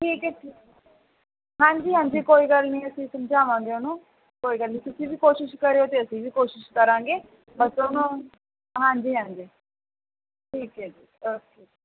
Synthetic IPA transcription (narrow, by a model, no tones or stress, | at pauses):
ʈʰiːkɛːʈʰiː | ɦãːɲd͡ʒiːɦãːɲd͡ʒiːkoːiːɡəlnĩːəsĩːsəmd͡ʒaːʋãːŋɡeʊnũː | koːiːɡəlnĩːt̪ʊsĩːʋiːkoːʃɪʃkəɾeːoːt̪eːəsĩːʋiːkoːʃɪʃkəɾãːŋɡeː | bəsonõː | ɦãːɲd͡ʒiːɦãːɲd͡ʒiː | ʈʰiːkɦɛːd͡ʒiːoː | eː